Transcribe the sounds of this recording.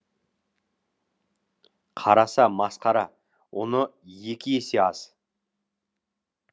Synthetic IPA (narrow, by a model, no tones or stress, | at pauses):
qʰɑɾɑsɑmɑsqɑɾɑ | wo̞nəje̞kʲʰɪjeseɑz̥